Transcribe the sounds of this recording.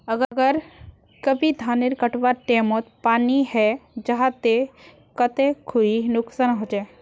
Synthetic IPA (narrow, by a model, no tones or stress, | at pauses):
əɡəɡəɾ | kəbʱid̪ʱaːnɪɾkəʈʋaʈeːmot̪paːniɦɛd͡ʒəɦãt̪e | kət̪ekʰuinʊksaːnɦod͡ʒaː